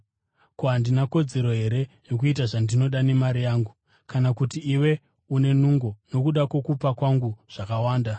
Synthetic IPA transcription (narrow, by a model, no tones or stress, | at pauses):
koɦandinako̞d͡ze̞ɾo̞ɦe̞ɾe̞jok̬uit̬aʐandino̞ɗane̞maɾijaːŋɡu | kanakutiːwe̞ | une̞nuŋɡono̞kuɗakwo̞kupakwaŋɡuʐ̥akawaːnda